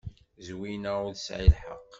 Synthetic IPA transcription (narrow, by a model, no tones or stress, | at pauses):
zwinæʊðsʕilħəqː